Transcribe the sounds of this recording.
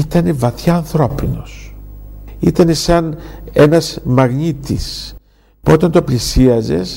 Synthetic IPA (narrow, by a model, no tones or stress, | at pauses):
it̪ɐnevɐθçɐːnθɾo̞pino̞s | it̪ɐnesɐne̞nɐzmɐɣɲit̪is | puot̪ɐnt̪o̞plisiɐze̞̰s